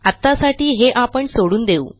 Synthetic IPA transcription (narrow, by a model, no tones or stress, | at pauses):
at̪ːasaʈiːɦeʔapəɳsoɽuːnd̪eṵː